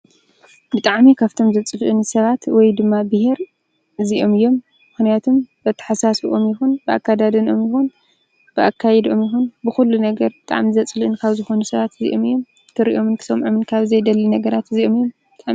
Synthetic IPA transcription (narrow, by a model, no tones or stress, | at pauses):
bɨt̪ʼaʕmikʰaβt̪ʰo̞mzɐt͡sʼɨluʔɨnsɐβat̪wɔjd̪ɨmːabɨheɾ | ɨziʔo̞mɨjːo̞mː | ɨxnijat̪ʰombɐt̪ʰɐ̥ħasasuʔo̞mjɪxunbɨa̰kːad̪ad̪ɨnomjɪxun | b̥ɨʔakʰːajɛd̪o̞mjɪxunbɨxulːunɐɡɐɾbɨt̪ʼa̰ʕmizɐt͡sʼlʔɨnkʰaβzɨxo̞nusɐβat̪ɨzḭʔo̞mɨjːo̞m | t̪ʰɨɾiʔo̞mɨnkʰɨ̥sɐmʕomɨnkʰaβzɐjd̪ɐlːinɐɡɐɾat̪ɨziʔo̞mɨjːo̞mbɨt̪ʼaʕ